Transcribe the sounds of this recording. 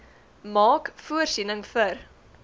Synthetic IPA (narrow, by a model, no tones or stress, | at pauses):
mɑːkfuərsinəŋfər